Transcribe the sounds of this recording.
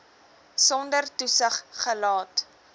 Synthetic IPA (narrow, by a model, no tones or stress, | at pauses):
sɔndərtusəχχəlɑːt